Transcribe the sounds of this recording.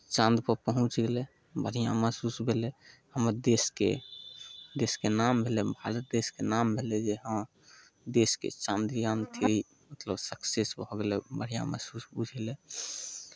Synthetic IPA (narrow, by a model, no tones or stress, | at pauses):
t͡ʃãnd̪pəɾpəɦũt͡ʃɡelɛ | bəɽ̤ijã̰məsusbʱelɛhəməɾd̪eskḛ | d̪eskenambʱelɛbʱaɾət̪̚d̪eskenambʱelɛd͡ʒeɦəm | d̪eskḛt͡ʃãnd̪ijãnt̪ʰeɾi | mət̪ləbsəksesbʱɔɡelɛbəɽ̤ijã̰mə̰susbud͡ʒʱelɛ